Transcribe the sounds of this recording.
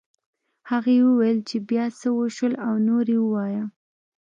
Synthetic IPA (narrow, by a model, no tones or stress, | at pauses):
haɣewəwajəlt͡ʃebjɑsəwəʃəlawnoɾewəwɑja